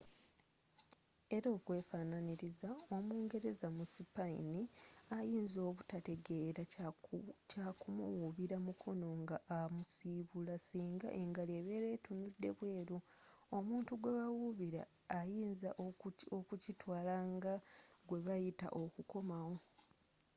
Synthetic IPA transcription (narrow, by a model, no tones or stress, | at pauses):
e̞ɾo̞ːkwe̞ːfananiɾizao̞muːŋɡe̞ɾe̞zamusipaḭniajiːnzo̞ːβutate̞ɡe̞ɾa | cakumṵwuβiɾamukʰo̞no̞ŋɡaʔamusiːβulasiːŋɡa̰ʔe̞ŋɡaleβe̞ɾe̞tunudːe̞̰βwe̞ːɾuomuːntuɡwe̞βawuβiɾa̰ː | jiːnzaʔokucitwaːlaŋɡaɡwe̞βajita̰ʔo̞kuko̞mawo̞